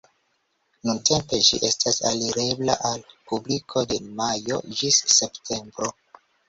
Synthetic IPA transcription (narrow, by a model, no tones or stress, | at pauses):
nuntʰe̞mpe̞ʃḭʔe̞stʰasa̰liɾe̞bla̰ʔalpublikʰo̞de̞majo̞̰d͡ʒisːe̞ptʰe̞mbɾo̞